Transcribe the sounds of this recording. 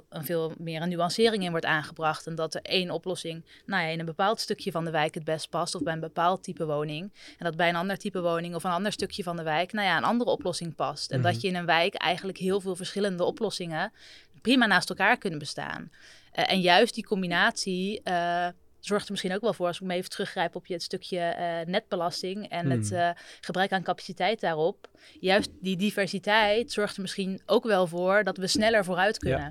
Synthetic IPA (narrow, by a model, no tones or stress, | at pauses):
ənvɪːlˠmɪːɹənːyɑnsɪːrɪŋɪnʋɔɹtaːnχəbrɑχtɛndɑtəɹejnɔplɔsɪŋnawjaɪnənbəpaːlˠtstɵkjəvɑndəʋɛjkɦəd̚bɛst̚pɑstɔvbɛjənbəpaːlˠttipəʋownɪŋɛndɑd̚bɛjənɑndəɹtipəʋownɪŋɔfənɑndəɹstɵkjəvɑndəʋɛjknawjaənʔɑ̰ndərəɔplɔsɪŋpɑstɛ̰ndɑtjəɪnənʋɛjkɛ̰jχənləkɦɪːlˠvɪːlˠvəɹsχɪləndəɔplɔsɪŋə | primaːnaːstɛlˠkaːɹkɵnənbəsta̰ːn | ʔɛnjœɥstdikɔmbinaːtsi | z̥ɔɹχtəɹmɪsχinowkʋɛlˠvʊːɹrɑlˠsɪk̚maejvətrɵχrɛjpɔpjəətstɵkʰjənɛd̚bəlɑstɪŋɛnətχəbrœɥkaːnkapḁsitɛjt̚daːrɔp | jœɥstdidivɛɹsitɛjtsɔɹχtəɹmɪsχinʔowkʋɛlˠvʊːɹdɑtʋəsnɛləɹvoːrœɥtkɵnən